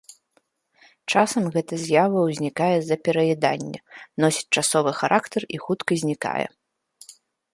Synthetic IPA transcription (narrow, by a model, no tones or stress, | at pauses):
t͡ʂasɐmɣɛt̪ɐzʲjavɐwzʲnʲikajɛzɐpʲɛɾɐjɛd̪anʲːɐ̰nɔsʲi̥t͡sʲt͡ʂasɔvɨxaɾʔakt̪ɐrixut̪kɐzʲnʲika̰jɛ̰